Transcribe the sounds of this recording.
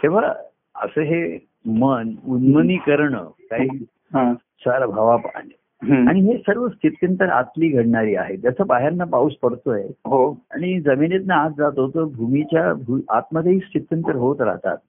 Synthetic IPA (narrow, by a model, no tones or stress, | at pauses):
k̪ʰiʋ̤a | ə̰səːɦe | mənunməniːkəɾɳə̰ːkaɦɦi | ɦa | salbʱaʋapne | aɽ̃iɦesəɾʋəst̪ʰit̪jənt̪əɾa̰t̪liːɡʱəɽɳaɾiːa̰ɦet̪d͡zəsəbaɦeanːapauːspəɽt̪oeɦoa̰ɽ̃id͡zəminet̪naːt͡sd͡zat̪ot̪əbʱumit͡ɕjabʱua̰t̪məd̪ʱːeɦiːst̪it̪jənt̪əɾɦot̪ɾa̰ɦt̪a̰t̪̚